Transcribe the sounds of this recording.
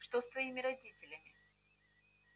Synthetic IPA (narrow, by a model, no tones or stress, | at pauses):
ʂt̪ost̪vɐimʲɪɾɐdʲitʲɪlʲəmʲɪ